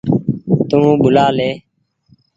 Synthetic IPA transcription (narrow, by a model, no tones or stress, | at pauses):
t̪ũːɓʊlaːleː